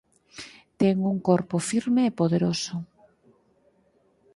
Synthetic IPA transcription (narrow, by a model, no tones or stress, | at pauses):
t̪ɛŋuŋkoɾpʊfiɾmeːpoðeɾosʊ